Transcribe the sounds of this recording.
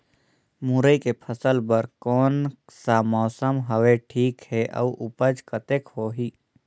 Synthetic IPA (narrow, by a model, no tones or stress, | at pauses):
mʊɾəikepʰəsəlbəɾkɔːnsamɔːsəmɦəʋeʈʰiːkhɛʔɐ̰uʔʊpəd͡ʒkət̪ekhoːɦiː